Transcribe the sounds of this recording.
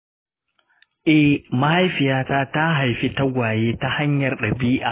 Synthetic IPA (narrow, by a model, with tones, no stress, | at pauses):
ʔɛ˦ma˦ha˦jɸɪ˨jaː˦taː˦ta˦ɦa˨jɸi˦ta˦ɡʷaː˨jeː˦ta˦ha˦ɲjɐ˨rɗɐ˨biː˦ʔaː˨